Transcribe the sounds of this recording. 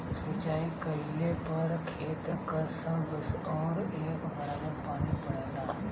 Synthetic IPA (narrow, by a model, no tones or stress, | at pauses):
sɪt͡ʃaːikɐɪlepɐɾkʰeːt̪kɐsə̃ʋəsɔːɾeːkbɐɽaɦepaːnipɐɽẽːd̪aː